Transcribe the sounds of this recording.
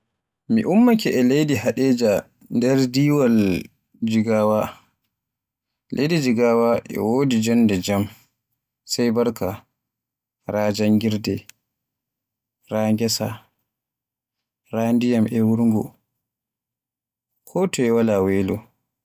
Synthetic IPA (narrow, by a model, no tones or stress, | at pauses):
miʔumːakɛʔɛlejdihaɗɛːd͡ʒa | ndɛɾdiːwal | d͡ʒiɡawa | lʔḛjdid͡ʒiɡawaʔɛ̰wodid͡ʒɔndɛd͡ʒam | sajbaɾkʰa | ɾaːd͡ʒaŋɡiɾdɛ | ɾaŋɡɛsa | ɾaːndijamʔɛwuɾŋɡɔ | kʰɔtʰɔɛwalawɛlɔ